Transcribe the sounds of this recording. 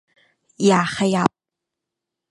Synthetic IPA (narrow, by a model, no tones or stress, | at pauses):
jaːχajap̚ʼ